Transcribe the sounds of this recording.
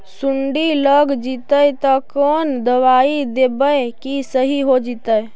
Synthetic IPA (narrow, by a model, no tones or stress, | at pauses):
suɳɖiləɡd͡ʒit̪əjt̪ɔkond̪əwaid̪ebəkisəɦiɦod͡ʒit̪əj